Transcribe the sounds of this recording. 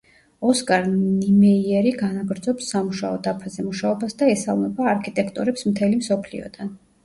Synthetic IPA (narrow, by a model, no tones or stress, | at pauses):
ɔskʼaɾnimɛiɛɾiɡanaɡɾd̪zɔpsːamuʃaɔd̪apʰazɛmuʃaɔbasd̪aɛsa̰lˠmɛbaːɾkʰit̪ʼɛkʰt̪ʼuɾɛpsmt̪ʰɛlimsɔpʰlḭɔ̰d̪̥an